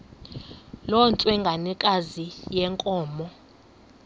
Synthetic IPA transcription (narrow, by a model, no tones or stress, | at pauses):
lɔnt͡sʼwɛŋɡʱanikʼazijɛŋkʼɔːmɔ